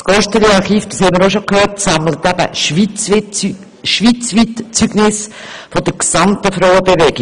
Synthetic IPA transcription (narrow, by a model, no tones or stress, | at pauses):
sɡ̥ɔʃtəliɑɾχiːfd̥ə̥shɛɪməɾoʃokhøːrtsɑmlət̪æb̥ə̰ʃʋit͡s | ʃʋit͡sʋitt͡syɡnɪs | fɔd̥̪əɾksɑmt̪əfɾɔʊwəbeʋɛɡɪ